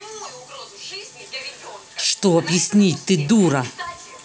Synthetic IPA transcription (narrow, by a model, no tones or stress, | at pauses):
ʂt̪oɐbjɪsʲnʲitʲt̪ɨd̪uɾɐ